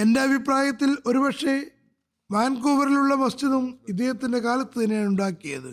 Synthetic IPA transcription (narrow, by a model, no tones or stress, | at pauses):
e̞nde̞ɐbʱipraːjɐt̪ːilo̞ɾubɐʈʂe̞ | ʋaːnkoːʋɐɾiluɭːɐmɐst͡ɕiðumid̪jehɐt̪ːinde̞kaːlɐt̪ːɨt̪ɐnːijaːnuɳɖaːkːijɐðɨ̰